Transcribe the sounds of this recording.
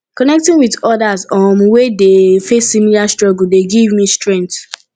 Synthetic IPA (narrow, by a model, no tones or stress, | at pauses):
kɔnɛk̚tĩŋwidɔdazɔ̃mwedefesːimilastɹɔɡul̩deɡivmĩstɹɛ̃nkt